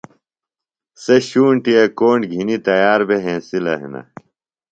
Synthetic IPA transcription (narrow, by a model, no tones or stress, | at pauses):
seɕuːɳʈiɐkoːɳɖɡʱinit̪ɐjaːɾbeɦẽːsilɐɦḭnɐ̰